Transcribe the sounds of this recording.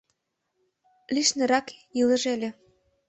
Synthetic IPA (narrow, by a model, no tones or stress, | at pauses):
liʃnɤ̆ɾɑkjilə̆ʒelʲĕ